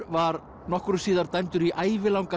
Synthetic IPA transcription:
vaɾ | nɔhkɾʏsiːðaɾt̪ajnt̪ʏɾiʔaːjvɪlawŋka

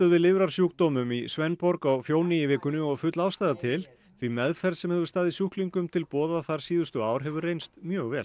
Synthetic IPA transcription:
œðvɪðlɪvɾaɾ̥sjuːkt̪ɔːmʏmisvɛnpɔɾkawfjoːwnɪivɪːkʏnʏɔɣfʏt̪lawst̪ajðat̪ʰɪl | θvimɛðfɛɾðsɛmhɛvʏɾ̥st̪aːðɪsjuhkliŋkʏmt̪ʰɪlpɔːðaθaɾ̥siːðʏst̪ʏaːwɾ̥ɦɛvʏrːejnst̪mjœːɣvɛːl

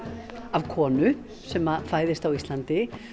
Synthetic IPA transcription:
avkʰɔːnʏ | sɛmafaːjðɪst̪awist̪lant̪ɪ

